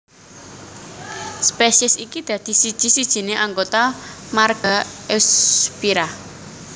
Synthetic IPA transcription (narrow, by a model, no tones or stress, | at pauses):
speʃiɛsikid̪̥ä̤d̪̥i̤sid̥ʒ̥i̤sid̥ʒ̥i̤neʔaŋɡot̪amarɡ̥aɛspiɾa